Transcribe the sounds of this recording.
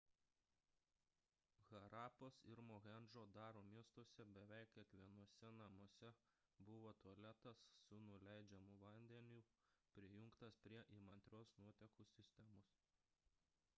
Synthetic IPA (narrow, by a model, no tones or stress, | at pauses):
ɣɐɾɑːposɪɾmoɣʲɛnʒoːd̪ɑːɾoːmʲiɛst̪uɔsʲɛbʲɛʋʲɛˑɪkʲiɛkʋʲiɛnuɔsʲɛnɐmuɔsʲɛ | bʊʋoːt̪uɐlʲɛt̪ɐsːʊnʊlʲæˑɪd͡ʒʲɛmʊʋɐnʲd̪ʲɛnʲupʲɾʲɪjʊŋkt̪ɐspʲɾʲiɛʔimɐnʲt̪ʲɾʲoːsnuɔt̪ʲɛkuːsʲɪsʲt̪ʲɛmos